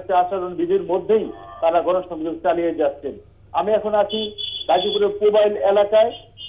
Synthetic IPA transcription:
t̪eaʃaɾonbid̪ʱiɾmod̪ʱːejt̪aɾaɡɔnoʃɔŋd͡ʑoɡt͡ɕalijed͡ʑat̪ːɕʰen | amiɛkʰonat͡ɕʰiɾad͡ʑopuɾekobajlelakae

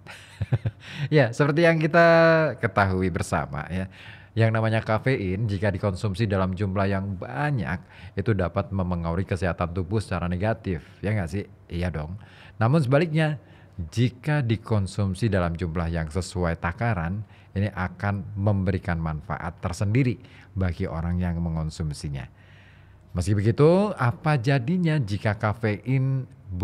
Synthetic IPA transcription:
jasəpərt̪ijaŋkit̪akət̪aɦuibərsa̰ma̰ja | jaŋnamaɲakafeʔɪnd͡ʒikadikɔnsumsidalamd͡ʒumlahjaŋbaɲa̰k̚ | it̪udapat̪̚məməŋauɾikəsiɦat̪ant̪ubʊhsə̥t͡ʃaɾaneɡat̪ɪfjaŋɡaʔsɪh | jadɔŋ | namʊnsəbalɪk̚ɲa | d͡ʒikadikɔnsumsidalamd͡ʒumlahjaŋsəsuajt̪akaɾan | iniʔakanməmbəɾikanmanfa̰ʔa̰t̪ːərsəndiɾi | baɡiʔo̰ɾaŋjaŋməŋɔnsumsiɲa̰ | məskibəɡit̪uapad͡ʒadiɲad͡ʒikakafeʔɪn

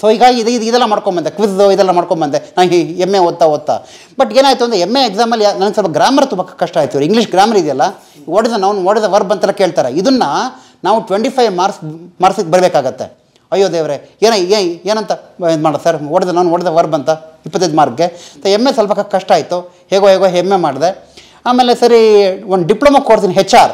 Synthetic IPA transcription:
soːɦiɡaːɡiid̪eid̪id̪ɛlːɐmaːɽkoɳbɐnd̪ekʋisd̪oid̪ɛlːɐmaːɽkoɳbɐnd̪enaːemːeod̪̚t̪ːaod̪̚t̪ːa̰ | bɐʈːeːnaːjt̪uɐnd̪ɾeemːeːɡsaːmɐlːianɐnɐɡsɐlpɐɡɾaːmɐɾt̪umbɐkkɐʂʈaːjit̪ːiʋɾiŋɡliʂɡɾaːmɐɾid̪jɐlːɐ | ɔɽɛd̪ɐnaʋnuɔɽed̪ɐʋɐɾbɐnt̪ɛlːɐke̞ːɭt̪aːɾeid̪unːɐ | naːʋuʈʋeɳʈipʰɐjʋmaːɾsmaːɾksibɐɾibeːkaːɡɐt̪ːḛ | ɐjːod̪eːʋɐɾeeːneːeːnɐnt̪ɐnd̪maːɽsɐɾoɽid̪ɐnɐʋnoɽid̪ɐʋɐɾbɐnt̪ɐipːɐt̪ːɐjd̪maːɾkɡe̞t̪emːesɐlpʰɐkɐkɐʂʈaːjit̪ːu | heːɡoɦeːɡoːɦemːemaːɽd̪e | aːmelesɐɾiond̪ɖipɭoːmɐkkoːɽt̪iniɦɛt͡ʃːaːɾ

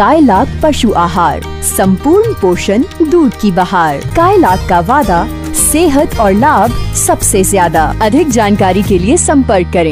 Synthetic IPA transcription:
kaːjlaːk̚ʰpɐʃuʔaːɦaːɾ | sɐ̃mpuːɾɳpoːʃənd̪uːɾkibɐɦaːɾkaːjlaːkʰːaʋaːd̪a | seːɦət̪ʰɔːɾlaːbʱsɐbsezjaːd̪aɐd̪ʱɪk̚d͡ʒaːnkaːɾikeliesɐ̃mpəɾkːɐɾẽː

